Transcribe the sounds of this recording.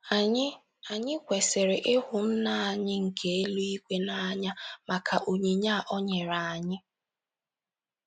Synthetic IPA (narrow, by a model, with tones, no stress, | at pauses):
ɪ˦ | a˨ɲɪ˦kʷe˨se˨ɾe˨ʔɪ˦hʊ˨n̩˦na˦a˨ɲɪ˦ŋ̩˨kʰe˦e˦lu˦i˦kʷe˦na˨a˦ɲa˦ma˨kʰa˨ʔo˨ɲi˨ɲa˦˨ʔɔ˦ɲe˨ɾa˨a˨ɲɪ˦